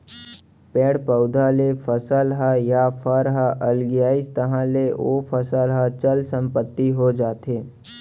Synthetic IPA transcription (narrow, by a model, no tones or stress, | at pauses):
pɛːɽpəʊd̪ʱalefʰəsəlɦajafʰəɾɦaʔəlɡɪjaːist̪əɦãleoːfʰəsəlɦat͡ʃəlsə̃mpət̪ːiɦod͡ʒaːt̪eː